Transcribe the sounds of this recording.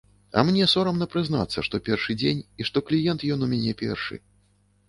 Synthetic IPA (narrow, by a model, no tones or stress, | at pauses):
ɐ̰mnʲɛsɔɾɐmnɐpɾɨzna̰t̪sːɐʂt̪ɔpʲɛrʂɨd͡zʲenʲiʂt̪ɔklʲijɛnt̪jɔnumʲanʲɛpʲɛ̰rʂɨ̰